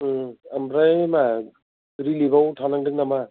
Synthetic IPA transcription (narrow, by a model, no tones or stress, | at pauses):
amɾajma | ɾilibawtʰanaŋdɯŋnama